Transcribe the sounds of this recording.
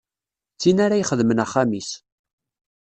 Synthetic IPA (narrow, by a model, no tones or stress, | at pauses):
t͡sːinaɾajχəðmənæχːamis